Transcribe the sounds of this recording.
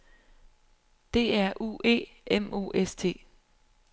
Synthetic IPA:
d̥e̝ːæɐʔṵe̝̰ːemo̝̰ːʔest͡sʰe̝̰ː

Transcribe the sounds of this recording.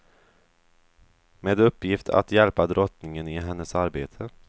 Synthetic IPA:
meːd̪ɵpːjɪft̪ʰa̰t̪jɛlpad̪ɾʔɔt̪nɪŋənɪɦɛnːəsaɾbeːt̪ʰə

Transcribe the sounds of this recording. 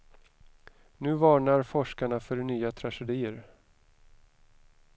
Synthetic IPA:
nʉ̟ːvɑːɳaɾfɔʂkaɳafœɾnyːat̪ʰɾaʂɛd̪iːəɾ

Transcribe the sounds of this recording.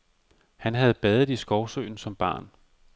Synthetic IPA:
hænɦæð̞̩ˠb̥ɛðˠð̩ˠisɡ̥ɒʊsø̰ːn̩sɒ̽mb̥ɑ̰̈ːn

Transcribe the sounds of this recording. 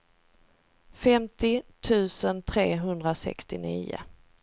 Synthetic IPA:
fɛmt̪ɪt̪ʰʉ̟ːsənt̪ʰɾeːɦɵnd̪ɾasɛ̰kst̪ɪniːʊ̰

